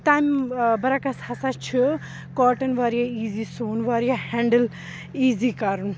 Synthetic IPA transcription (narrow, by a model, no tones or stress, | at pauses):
t̪aːmbɐɾakɐshɐsat͡ʃʰi | kaːʈɐnʋaːɾijaiːziːsoːnʋaːɾijahɛ̃ːɳɖəl | iːziːkaːɾun